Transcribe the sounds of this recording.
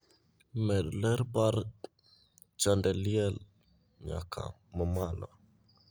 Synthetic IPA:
mɛdləɾbaɾ | t͡ʃɔndɛliɛl | ɲa̰kʰa̰ | məmalɔ̰

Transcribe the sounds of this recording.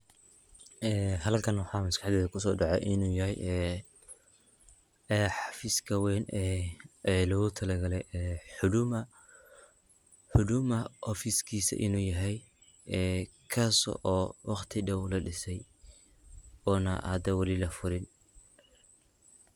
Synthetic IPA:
ʔɛːɦɐlkʰɐnwɑħɑːmɐskɑħðɛːðɐkʰʊsɔːɖɑʕɛ̰jʔɪnuːjɐɦɛjʔɛ | ɛːħɑfiːskʰɐwɛnɛʔɛːlɔɣʊt̪ʰɐlɐɡɐlɛjʔɛːʊm | ħʊdʊmɐʔɔfiskʰiːsɐ̰ʔɪ̰nuːjɐɦɛj | ɛː | kʰaːsɔ̰ʔɔːwʔɑχt̪ʰɪɖɐwlɐɖɪsɛj | ɔːnɐ̰hɐd̪ɐwɑlilɐfʊɾɪn

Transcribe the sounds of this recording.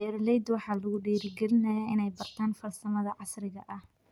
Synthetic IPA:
ɛɾlɛjd̪wɑħɑːlʊɣʊɖiːɾɪɡɛlɪnɐjaːʔɪnɛjbɐrt̪ʰaːnfɐlsɐmɐðɐʕɑsrɪɣɐ̰ʔɐh

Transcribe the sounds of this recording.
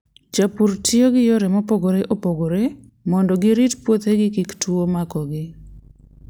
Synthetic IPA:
d͡ʒapurtɪoɡɪjoɾemɔpoɡoɾeʔopoɡoɾe | mɔndɔɡɪɾitpwot̪heɡɪkiktuomakɔɡɪ

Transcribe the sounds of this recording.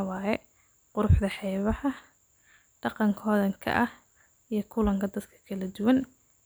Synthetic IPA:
wɑːjɛ | qʊɾʊħd̪ɐħɛjβɐhɐ | ɖ̥ɑqɑŋkʰɔːðɐŋkʰɐ̰ʔɐh | ijɞkʰʊlɐŋkʰɐd̪ɐd̪kʰɐ̥kʰɐlɐd̪ʊwɐn

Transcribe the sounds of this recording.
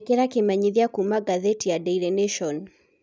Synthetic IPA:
kɛɾakemaɲiðiakumaɡaðɛtijadɛiɾɛneʃɔn

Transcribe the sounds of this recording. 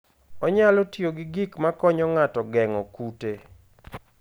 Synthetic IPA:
ɔɲalɔtjoɡɪɡikmakɔɲɔŋatɔɡɛŋɔkute

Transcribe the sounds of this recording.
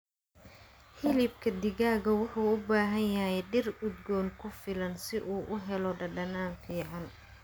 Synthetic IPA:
hɪlɪb̚kʰɐd̪ɪɣaːɣɐwʊħuːʊbaːɦɐnjɐɦɛjɖɪrʊd̪ɡɔːŋkʰʊfɪlɐnsɪʔuːʔʊɦɛlɔɖɐɖɐnaːnfiːʕɑn

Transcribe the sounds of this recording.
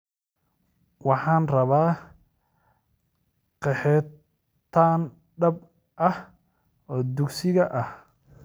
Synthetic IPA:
wɑħɑːnrɐβaː | qɛħɛ | t̪ʰːaːn | ɖɐb | ʔɐh | ɔːd̪ʊɡsɪɣɐʔɐh

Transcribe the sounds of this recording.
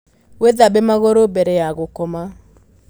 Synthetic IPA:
weðabemaɣɔɾobɛɾɛjaɣokɔma

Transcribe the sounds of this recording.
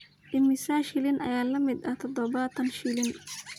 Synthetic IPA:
ʔɪmɪsaːʃɪlɪnʔɐ̰jaːlɐmɪd̪ɐt̪ʰɔd̪ɔβɐt̪ʰɐnʃɪlɪn

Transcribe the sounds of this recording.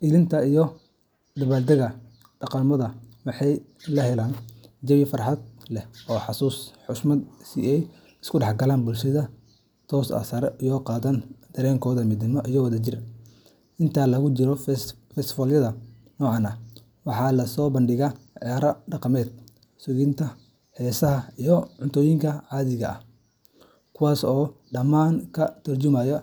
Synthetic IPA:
ʔɪðɪnt̪ʰɐijɔ | d̪ɐβaːd̪ɐɣɐ | ɖɑqɑmɔðɐwɑħɑj | lɐhɛlaːnd͡ʒɐwɪfɑrħɑd̪̚lɛhɔːħɑsuːsħʊsmɐd̪sḭɛj | ɪskʰʊɖɑħɡɐlaːnbʊlʃɐðɐ | t̪ʰɔːsɐ̰sɐɾɛʔijɔːqɑːðɐnd̪̥ɐɾɛːŋkʰɔːðɐmɪd̪ɪmɔʔijɔwɐðɐt͡ʃɪr | ʔɪnt̪ʰaːlɐɣʊt͡ʃɪɾɔ | fɛsfɔljɐðɐ | nɔːʕɑnɐ | wɑħɑːlɐsɔːbɐnɖɪɣaʕɛɾɐɖɑqɑmɛːd̪̚ | sʊɣɪnt̪ʰɐ | hɛːsɐɦɐijɔʕʊnt̪ʰɔːjɪŋkʰɐʕɑːðɪɣɐ̰ɐh | kʰʊwɑːsɔː | ɖɐmaːŋkʰɐt̪ʰɐrt͡ʃʊmajɔ

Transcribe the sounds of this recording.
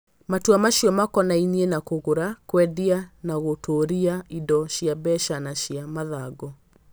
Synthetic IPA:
matuamaʃiɔmakɔnainienakoɣoɾakwɛðianaɣotʰoɾiaidɔɕiabɛʃanaɕiamaðaɡɔ

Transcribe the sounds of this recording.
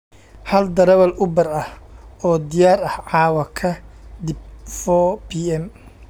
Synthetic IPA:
hɐld̪ɐɾɐβɐlʊbɐrɐhɔːd̪ɪjaːɾɐhʕɑːwɐkʰɐd̪ɪb̚fɔbiɛm

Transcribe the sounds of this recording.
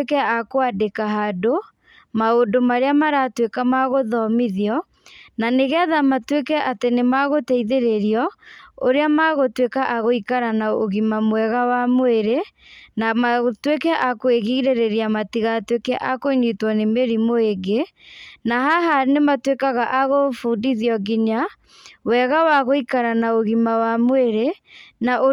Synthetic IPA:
ekɛakoadekaɦado | maondomaɾeamaɾatwekamaɣoðɔmiðiɔ | naneɣɛðamatwekɛʔatenemaɣotɛiðeɾeɾiɔoɾeamaɣotwekaʔaɣoikaɾanaoɣimamwɛɣawamoeɾe | namatwekɛʔakoeɣiɾeɾeɾiamatiɣatwekɛʔakoiɲitwɔnemeɾimoeɡe | naɦaɦanematwekaɣaʔaɣofuːdiðiɔɡiɲa | wɛɣawaɣoikaɾanaoɣimawamweɾenaʔo

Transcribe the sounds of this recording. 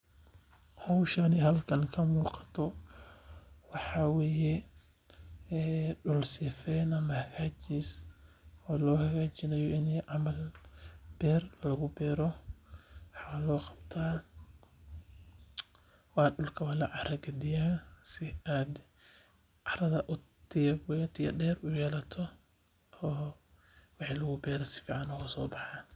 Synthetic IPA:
hɔwʃɐnɪɦɐlkʰɐŋkʰɐmuːqɑ̥t̪ʰɔ | wɑħɑːweːjɛ | ɖʊlsɪːfɛːnɐmɐhɐɣaːt͡ʃiːs | ɔːlɔːhɐɣaːt͡ʃɪnɛjɔʔɪnɛjʕɑmɐl | b̥ɛːrlɐɣʊbɛːɾɔ | ħɑqɐlɔːqɑbt̪ʰaː | wɑːɖʊlkʰɐwɐlɐʕɑɾɐɡɐd̪ɪjaːsɪaːd̪ | ʕɑɾɐðɐʔʊt̪ʰɪɐbwɛjt̪ʰɪɐ̰dɛːrʊjɛːlɐt̪ʰɔ | ɔː | wɑħɑːlɐɣʊbɛːɾɛsɪ̥fiːʕɑnɔwɔsɔːbɑħɑː

